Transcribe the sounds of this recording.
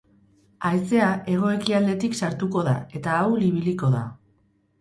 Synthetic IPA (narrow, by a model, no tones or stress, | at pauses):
aese̞ae̞ɣ̞o̞e̞kiald̪e̞t̪iksaɾt̪uko̞ða̰e̞t̪aːwliβ̞iliko̞ða